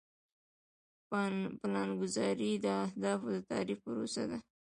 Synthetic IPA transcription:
plɑnɡʊzɑɾid̪əahd̪ɑfd̪ət̪ɑ̰ɾifpəɾosa̰d̪a

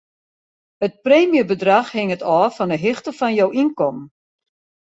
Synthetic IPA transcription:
ət̚preːmjəbədraxhɪŋətɔːfɔndəɦɪxtəfɔnjowʔinkɔm

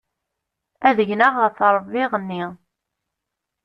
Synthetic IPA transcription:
æðəʝnəʁəɾθɾˤəbːɪʁənːi

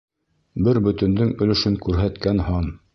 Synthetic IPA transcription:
bɘɾbɵ̆t̪ɵ̆nd̪ɘŋɵ̆lɵ̆ʃɵŋkʉɾɦæt̪kænhɑn

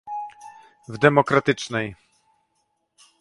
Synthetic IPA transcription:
vd̪ɛmɔkɾat̪ɘt͡ʂnɛj

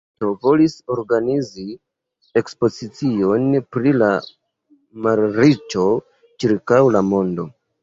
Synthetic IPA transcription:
to̞vo̞liso̞ɾɡanizi | e̞kspo̞zit͡sio̞npɾila | maɾɾit͡ʃo̞ | t͡ʃiɾkawlamo̞ndo̞̰

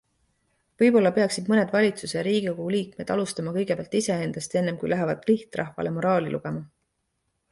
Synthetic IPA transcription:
vɤjpo̞lːɑpe̞ɑksid̪̥mɤne̞d̪vɑlʲit̪suseɾiːɡ̥iokuuliːk̚me̞d̪̥ɑlust̪ɑmɑkɤjɡepeɑlt̪ise̞e̞nd̪̥ɑst̪ie̞nːe̞mkujlæɦevɑd̪̥liht̪rɑhvɑ̰lemo̞ɾɑːlʲḭlʔṵɡ̥e̞mɑ

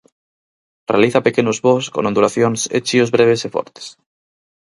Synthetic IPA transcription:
realiθapekenozβosko̰nõnd̪ulaθjonsḛt͡ʃiozβɾeβ̞esefo̰ɾt̪e̥s

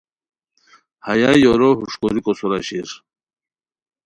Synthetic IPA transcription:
hajajoɾoɦuʂkoɾikɔsuɾaɕiɾ

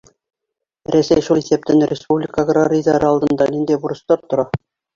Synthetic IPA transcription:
rʲæsʲejʃulˠisʲep̚t̪ɘnrʲʔɪspublʲikəɡrarʲizɑɾɤɑlˠd̪ɤ̆nd̪ɑnind̪ebuɾɤ̆st̪ɑɾt̪ŏɾɑ

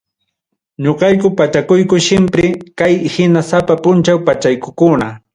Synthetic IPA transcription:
ɲoqɑjk̬ʊpat͡ʃakʊjkʊʃɪmpɾɪkajhɪnasapapʊnt͡ʃawpat͡ʃajkʊkʊna

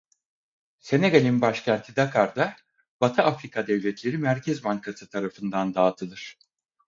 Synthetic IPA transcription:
se̞neɡalʲimbaʃcʰænt̪ʰid̪akʰaɾd̪a | b̥at̪ʰɯʔafɾikʰad̪ɛvlʲɛt̪ʰlʲe̞ɾimæɾcʰɛzmaŋkʰasɯt̪ʰaɾafɯnd̪and̪aːt̪ʰɯlˠɯɾ̥

